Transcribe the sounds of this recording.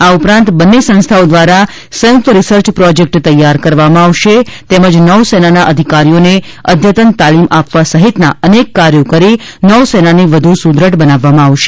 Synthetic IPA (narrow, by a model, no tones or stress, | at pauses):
aupɾãnt̪bənːesə̃nst̪ʰaod̪ʋaɾa | səjə̃k̚t̪əɾisəɾt͡ʃpɾɔd͡ʒek̚ʈt̪əjːaɾkəɾʋamãaʋʃet̪eməd͡ʒnəʋsenanaʔəd̪ʱikaɾijone | ə̰d̪ʱjət̪ənt̪alimapʋasəɦit̪na̰ənekːaɾjokəɾi | nəʋsenaniʋəd̪ʱusud̪ɾəʈbənaʋːamãaʋʃe̥